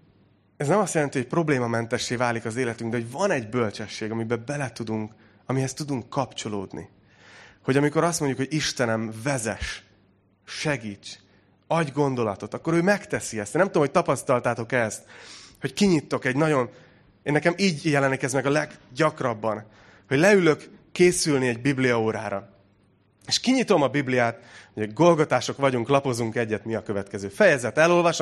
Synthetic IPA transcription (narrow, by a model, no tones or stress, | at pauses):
ɛznɛmɒsjɛlɛnt̪ihoc̚pro̞bleːmɒmɛnt̪ɛʃːeːvaːlikɒzeːlɛt̪yŋɡd̪ɛɦo̞ɟvɒnɛɟbø̞lt͡ʃɛʃːeːɡɒmibɛbɛlɛt̪ud̪uŋk | ɒmiɦɛst̪ud̪uŋkːɒpt͡ʃo̞loːd̪nḭ | ho̞ɟɒmiko̞ɾɒst̪mo̞ɲɟukhoɟiʃt̪ɛnɛmvɛzɛʃ | ʃɛɡiːt͡ʃ | ɒɟɡo̞nd̪o̞lɒt̪o̞t̪ɒkːo̞ɾøːmɛkt̪ɛsiɛst̪ːnɛmt̪ud̪omhoc̚t̪ɒpɒst̪ɒlt̪aːt̪o̞kɛst̪ho̞ckiɲit̪ːo̞kɛɟnɒɟo̞n | eːnːɛkɛmiːɟjɛlɛnːikɛzmɛɡɒlɛɡɟɒkrɒbːɒn | ho̞ɟlɛylø̞kːeːsylniɛɟbiblijɒoːɾaːɾɒ | eʃkiɲit̪o̞mɒbiblijaːt̪hoɡo̞lɡo̞t̪aːʃo̞kʋɒɟuŋklɒpo̞zuŋkɛɟːɛt̪miɒkø̞vɛt̪kɛzøːfɛjɛzɛt̪ɛlo̞lvɒʃ